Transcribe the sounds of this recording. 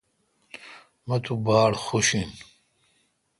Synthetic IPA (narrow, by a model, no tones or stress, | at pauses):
mɐt̪ʰubaːɾxuʃin